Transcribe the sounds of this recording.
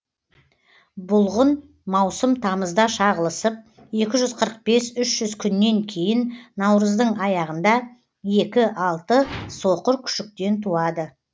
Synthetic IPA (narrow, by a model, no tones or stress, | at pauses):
bʊlˠʁən | mɑwsəmt̪ʰɑməzd̪ɑʃɑʁəlˠəsəp̚ | je̞kʲɪʒʏzqʰəɾəq̚be̞sʏʃʒ̥ʏzkʲʰʏnːe̞ŋkʲʰe̞jɪnːɑwɾəzd̪əɴɑjɑʁənd̪ɑ | je̞kʲɪʔɑlˠt̪əso̞qəɾkʲʰʏ̥ʃɪk̚t̪e̞nt̪ʰuɑd̪ə